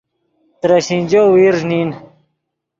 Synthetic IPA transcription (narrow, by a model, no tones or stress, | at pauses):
t̪ɾaɕinʲd͡ʑowiɾʐnin